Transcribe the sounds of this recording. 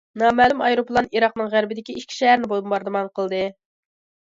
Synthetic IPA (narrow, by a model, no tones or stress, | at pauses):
nɑːmæːlˠumɑjɾoplˠɑniɾɑq̚nɨŋʁæɾbɪd̪ɪkʲiiʃkʲʰi̥ʃɛɦæɾnɪbolˠbɑɾd̪ɨmɑnqʰəlˠd̪ɨ